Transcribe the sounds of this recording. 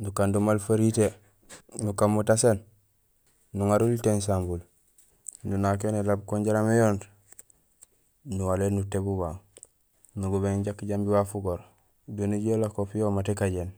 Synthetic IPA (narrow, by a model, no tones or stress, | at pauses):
nukandumalfaɾite | nukamːutasen | nuŋaɾultens̬ambul | nunak̬enelabkoɲɟaɾamejoːnd | nuwalenutebuβaŋ | nuɡuβeŋɟakːɟambiwafuɡoɾ | doniɟelakopjomatekaɟen